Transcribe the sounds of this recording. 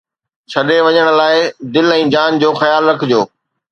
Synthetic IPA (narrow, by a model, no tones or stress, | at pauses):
t͡ɕʰɐɗeʋɐɲəɽ̃̆laːɪd̪ɪlɛ̃ːd͡ʑaːnd͡ʑoːxɐjaːlɾɐkʰɪd͡ʑoː